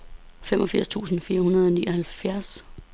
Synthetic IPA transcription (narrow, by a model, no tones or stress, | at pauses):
femʔɒ̽fiɐ̰st͡sʰṵːsn̩fiːɐhunɐð̞ˠɒniːɒhælfjæɐs